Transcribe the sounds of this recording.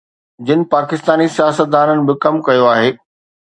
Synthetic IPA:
d͡ʑɪnɪ̆paːkɪst̪aːnisijaːsət̪̚d̪aːɾənɪ̆bɪkɐmkɐjoaːɦeː

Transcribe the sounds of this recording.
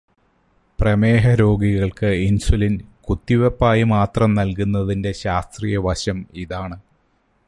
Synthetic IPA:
prɐme̞ːɦɐɾo̞ːɡiɣɐɭkɨinsulinkut̪ːiʋɐpːaːjimaːt̪rɐmnɐlkunːɐðinde̞ɕaːst̪riːjɐʋɐɕɐmiðaːɳɨ

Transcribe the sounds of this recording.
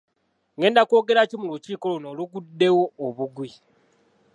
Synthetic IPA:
ŋe̞ːndako̞ːɡe̞ɾacimuluciːko̞lonoːluɡudːe̞woːβuɡwi

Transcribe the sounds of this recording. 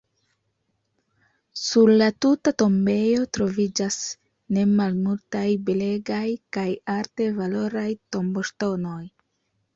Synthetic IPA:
suɾlatutato̞mbe̞jo̞tɾo̞vid͡ʒas | ne̞malmultajbele̞ɡajkajaɾte̞valo̞ɾajto̞mbo̞ʃto̞no̞j

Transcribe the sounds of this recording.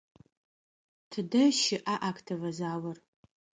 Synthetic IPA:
tʰɨdɐʃɪʔaːʔakʰtʰɐvɐzaːwɐr

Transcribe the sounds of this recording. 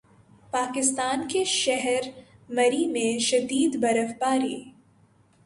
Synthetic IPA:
paːkɪst̪aːnkeʃɛɦɛɾmɐɾimẽʃɐd̪iːd̪bɐɾəfpaːɾiː

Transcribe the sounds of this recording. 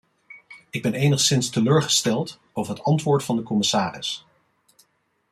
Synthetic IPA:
ɪɡ̚bɛnejnəχsɪnstəløːɹχə̥stɛlˠt | owvəɹɦətɑntʋʊːɹtfɑndəkɔmɪsaːrɪ̰s

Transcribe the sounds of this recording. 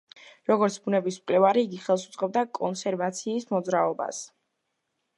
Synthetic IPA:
ɾɔɡɔɾt̪sʰbunɛbismkʼlɛvaɾiːɡiχɛlˠsut̪sʼqʼɛb̚d̪akʼɔnsɛɾvat̪sʰiːsmɔd̪zɾaɔba̰s

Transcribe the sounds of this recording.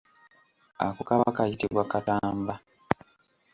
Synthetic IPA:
a̰kukaβakajitiβwakataːmba

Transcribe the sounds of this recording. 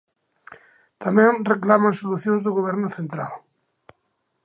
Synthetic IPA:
t̪amẽnreklamãnsoluθjõnzðʊɣoβ̞ɛɾnʊθẽnt̪ɾa̰l

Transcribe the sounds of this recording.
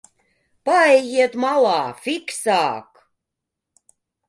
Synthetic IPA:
pɑjɣiet̪mɑlˠɑːfiksɑːk

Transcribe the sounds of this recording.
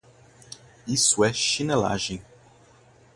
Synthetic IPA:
isʊɛʃinela̰ʒẽj̃

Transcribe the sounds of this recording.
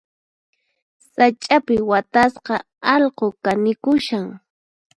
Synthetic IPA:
sat͡ʃʼapɪwat̪asqɑ | ɑʎqokanɪkʊʃaŋ

